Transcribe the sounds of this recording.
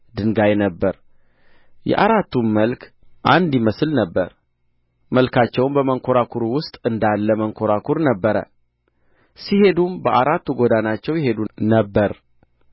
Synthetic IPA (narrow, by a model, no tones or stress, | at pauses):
d̪ɨŋɡajnəbːəɾ | jɛ̰ʔaɾat̪ʰːunməlkʰ | ʔand̪jiməslnəbːə̰ɾ | məlkʰat͡ʃːɛwmbəməŋkʰo̞ɾakʰuɾwʊst̪ʼɨnd̪alːəməŋkʰo̞ɾakʰuɾnəbːəɾə̰ | sihe̞d̪umbəʔaɾat̪ːuɡod̪anat͡ʃːɛwjɛɦe̞d̪unəbːəɾ